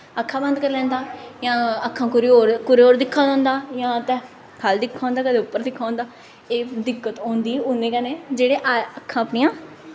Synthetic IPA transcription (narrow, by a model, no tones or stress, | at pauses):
əkʰːãːbə̃nd̪kəɾlɛ̃ːnd̪aːjãːəkʰãːkɾoːɾkʊɾoːɾd̪ɪkʰːaːd̪ãːnd̪aːjãːt̪ɛ̃ː | kʰald̪ɪkʰːãːnd̪aːkəd̪eːʊpːəɾd̪ɪkʰːaːõːnd̪aː | eːd̪ɪkːət̪ɔ̃ːnd̪iːʊnẽːkɛneːd͡ʒeːɽeːʔaəkʰːãːəpniːãː